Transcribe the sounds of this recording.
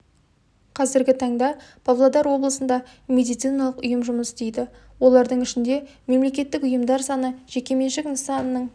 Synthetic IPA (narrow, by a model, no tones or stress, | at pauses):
qʰɑzɪɾɡʲɪt̪ʰɑɴd̪ɑ | b̥ʰɑvlˠod̪ɑɾwo̞blˠəsənd̪ɑ | mʲe̞d̪ijt̪sɨjnɑlˠəqʊjəmʒʊməst̪ejd̪ɪ | wo̞lˠɑɾd̪əɴɪʃɪnd̪e̞ | me̞mle̞kʲe̞t̪ːɪkʊjəmd̪ɑɾsɑnəʒ̥e̞kʲe̞me̞nʃɪkənsɑnəːəɴ